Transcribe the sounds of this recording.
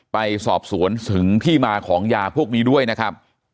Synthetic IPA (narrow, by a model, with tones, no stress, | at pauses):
pa˧jsɔ̰ː˨˩p̚su˩˦ənt̪ʰɯ˩˦ŋt̪ʰiː˥˩maː˧kʰɔː˩˦ŋjaː˧pʰu˥˩ək̚niː˦˥du˥˩əjna˦˥kʰɾa˦˥p̚